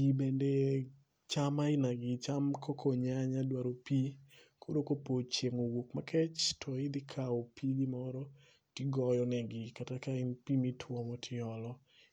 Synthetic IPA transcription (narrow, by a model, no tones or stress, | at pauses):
ibende | t͡ʃamaɪnaɡɪt͡ʃamkʰɔkʰoɲaɲadwaɾopikʰoɾokopot͡ʃjeŋowokmakʰɛt͡ʃtʰɔɪd̪ɪkʰaopʰiɡɪmɔɾɔ | tɪɡɔjɔnɛɡɪkatakaɪnpimitʰwɔmɔtʰɪɔlɔ